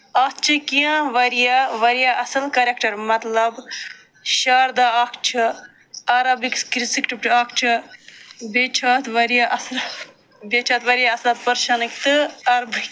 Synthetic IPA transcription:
ɐst͡ʃʰɨkijãʋɐɾijaʋɐɾijaʔɐsɐlkɐɾekʈɐɾmɐt̪lɐb | ʃaːɾd̪aːɐkʰt͡ʃʰɨ | ɐɾɐbikskɾisikʈipʈɐkʰt͡ʃʰɨ | bet͡ʃʰaːt̪ʋɐɾijaʔɐsl | bet͡ʃʰaːt̪ʋɐɾijaɐslat̪pɐɾʃanɨkt̪ɨɐɾbʱɨ

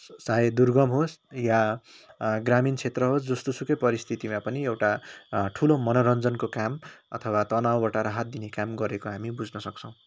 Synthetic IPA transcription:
sajed̪urɡʌmɦosja | ɡramint͡sʰet̪rʌɦosd͡zʌst̪osukʌjpʌɾist̪ʰit̪imãpʌniewʈaʈʰulomʌnʌɾʌnd͡zʌnkokamʌ̰t̪ʰʌwat̪ʌnawbaʈaɾaɦat̪̚d̪inekamɡʌɾekoɦamibud͡znʌsʌk̚t͡sʰʌ̃w̃

